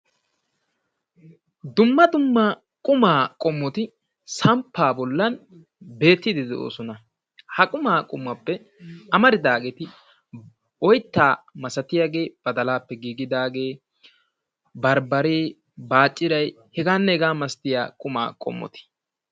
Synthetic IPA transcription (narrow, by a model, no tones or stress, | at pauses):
d̪ʊmːɐd̪ʊmːa | kʼʊmaːkʼɔmːɔt̪ɪ | sɐmpʰːaːbɔlːɐn | be̞ːt̪ːɪd̪ɪd̪ɛʔo̰ːsɔnɐ | hɐkʼʊmaːkʼʊmːɐpːɛ | ɐmɐɾɪd̪aːɡɛt̪ɪ | ɔjt̪ːaːmɐsɐt̪ɪjaɡe̞ːb̥ɐd̪ɐlaːpːɛɡiːɡɪd̪aːɡe̞ː | bɐɾbɐɾeː | baːt͡ʃʼːɪɾɐj | hɛɡaːnːɛɛɡaːmɐst̪ɪja̰ːkʼʊma̰ːkʼɔ̰mːɔ̰t̪ɪ̥